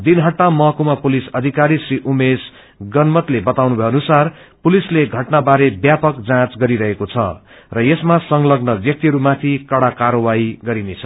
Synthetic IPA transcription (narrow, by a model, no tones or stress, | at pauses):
d̪inɦʌʈːamʌkumapulisʌd̪ʱikaɾisriʔumes | ɡʌnmʌt̪lebʌt̪awnubʱʌjʌnusarpulisleɡʱʌʈnabaɾebjapʌkd͡zãt͡sɡʌɾiɾʌɦekot͡sʰʌ̰ | rʌjesmasʌŋlʌɡnʌbjʌk̚t̪iɦʌɾumat̪ʰikʌɽakaɾʌwaiɡʌɾinet͡sʰʌ̥